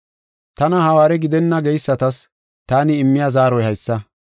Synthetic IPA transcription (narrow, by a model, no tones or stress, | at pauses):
t̪ɐnɐhɐwaːɾɛɡɪd̪ɛnːɐɡɛjsːɐt̪ɐs | t̪aːnɪːmːɪjazaːɾɔjhɐjsːɐ